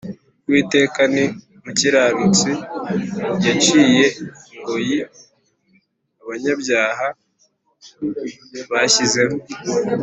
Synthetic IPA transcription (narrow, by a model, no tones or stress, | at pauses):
wiːte̞ːkani | muciɾaːɾut͡si | jat͡ʃiːje̞ŋɡoji | aβaɲabjaːɦa | βaçize̞ho